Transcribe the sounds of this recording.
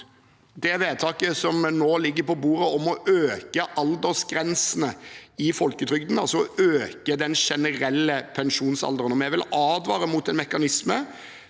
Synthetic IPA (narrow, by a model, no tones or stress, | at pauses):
d̪ɛʋeːt̪ʰɑːkəsɔmnoːlɪɡːəɾpɔbuːʁəɔmɔʔøːkəʔɑld̪əʁsɡɾɛnsən̩əɪfɔlkət̪ʰɾʏɡ̚d̪n̩ɑlsɔɔøːkəd̪ɛnʂɛnəʁɛlːəpʰɛnʂuːnsɑ̰ld̪əɾənɔmɛʋɪlʔɑːd̪ʋɑːʁəmut̪ɛnmɛkɑnɪsmə